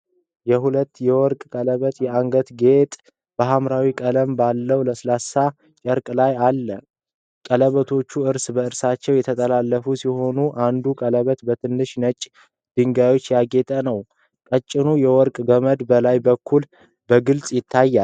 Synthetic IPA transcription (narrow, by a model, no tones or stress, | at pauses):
jɛɦulət̪ːjɛwɔɾkʼkʼələβət̪jɛaŋɡət̪ɡe̞t̪ʼ | b̥əɦamɾawikʼələmbalːəwləslasa | t͡ʃʼəɾkʼlajalːə | kʼələβət̪ʰo̞t͡ʃːuɨɾsbəɨɾsat͡ʃːɛwjɛt̪ʰət̪ʼəlalːəfusiho̞nuʔand̪ukʼələβət̪bət̪ʰɨnːɨʃnət͡ʃʼː | d̪̥ɨŋɡajo̞t͡ʃːjaɡe̞t̪ʼənəw | kʼət͡ʃʼːɪnujɛwɔɾkʼɡəməd̪bəlajbəkʰːul | bəɡɨlt͡sʼjɪt̪ʰːajːal